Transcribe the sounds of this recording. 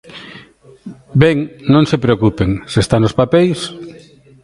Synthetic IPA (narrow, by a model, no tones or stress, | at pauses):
bɛŋnõŋsepɾeokupeŋsest̪anospapɛjs